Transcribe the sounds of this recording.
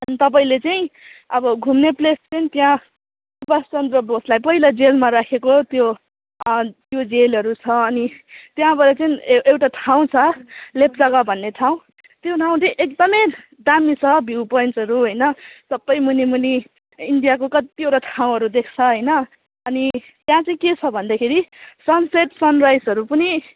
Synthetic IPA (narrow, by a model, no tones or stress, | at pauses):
ʌnit̪ʌp̬aĩlet͡saĩʌbʌɡʱumneplest͡sʌnĩt̪jã | ubast͡sʌnd̪rʌboslajpʌilad͡zelmaɾakʰekot̪jo | t̪jod͡zelʌɾut͡sʰʌʌnit̪jãbʌɾʌt͡saĩewʈaʈʰaw̃t͡sʰʌlep̚d͡zʌɡʌbʱʌnːeʈʰaw̃ | t̪joʈʰaw̃t͡sʌĩʔekd̪ʌmʌj | d̪amit͡sʰʌbʱiwpʌjnsʌɾuɦʌjnʌsʌbːʌjmunimuni | iɳɖijakokʌt̪ioʈaʈʰaw̃ɦʌɾud̪ekʰt͡sʰʌɦʌjnʌ | ʌni | t̪jãt͡sʌĩket͡sʰʌbʱʌnd̪akʰeɾisʌnseʈsʌnrajsʌɾupʌni